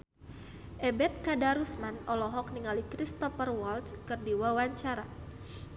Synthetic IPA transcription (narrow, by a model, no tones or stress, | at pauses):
ʔɛbɛt̪̚kadaɾusmanɔlɔɦɔk̚niŋalikɾist̪ɔfərwɔlt͡ʃkɨrdiwawaɲt͡ʃaɾa